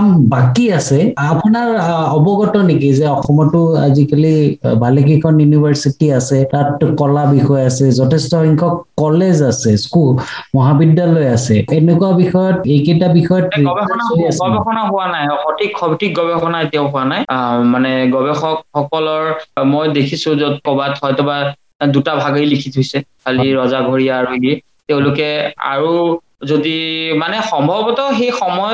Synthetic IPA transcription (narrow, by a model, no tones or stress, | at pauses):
ambakiasɛapunaɹɔbɔɡɔtɔnikizɛɔxɔmɔtʊa̰zikalibʱalekikʰɔnjunibʱaɹsitiasɛtatkɔlabixɔjasɛzɔtʰɛstɔhiŋkʰɔkːɔlezasɛskul | mɔɦabidalɔjasɛenɛkuwabixɔjɔtejketabixɔjɔtɡɔbɛɔnaasɔbɛxɔnaɦʊwanajɔxɔtikʰːɔbitik̚ɡɔbɛxɔnaeteʊɦʊanajmanɛɡɔbɛxɔkxɔkɔlɔɹmojdekʰisʊ̃zɔkɔbathɔjtɔba | dutabʱaɡilikʰitʰʊjsɛkʰaliɹɔzaɡʱoɹijaːɹui | teʊ̃lʊkɛa̰ɹu | zodimanɛxɔmbʱɔbɔtɔxejxɔmɔjɔ